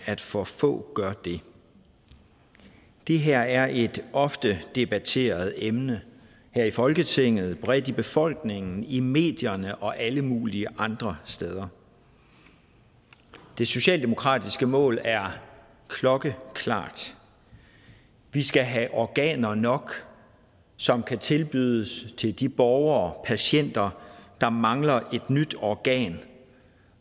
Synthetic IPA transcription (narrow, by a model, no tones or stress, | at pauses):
æd̥fɒ̽fɔ̰̽ːɡ̥ɶɐd̥e̝ | d̥e̝ɦeɐ̰æɐʔe̝d̥ɒ̽fd̥əd̥e̝b̥æt͡sʰe̝̰ːɐð̞ˠemnə | hæɐ̰ifɒ̽lɡ̥ət͡sʰeŋ̰ð̞̩ˠb̥ʁɛd̥ib̥e̝fɒ̽l̰ɡ̥ne̝ŋn̩ime̝̰ːd̥jɐnəʔɒ̽ʔæləmuːliəʔɑ̈nd̥ʁɐsd̥eð̞ˠɐ | d̥e̝so̝ɕɛ̰ːld̥e̝mo̝kʰʁɑ̰̈ːd̥isɡ̥əmɔ̰̽ːlæɐ | kʰlɒ̽ɡ̥əkʰlɑ̰̈ːd̥ | ʋisɡ̥æɦæʔɒɡ̥ɛ̰ːnɐnɒ̽ɡ̥ | sɒ̽mkʰæt͡sʰe̝lb̥yðˠəst͡sʰe̝ld̥ib̥ɒʊɐːpʰæɕen̰d̥ɐd̥ɑ̈mɑ̈ŋlɐʔe̝d̥nyd̥ɒɡ̥ɛ̰ːn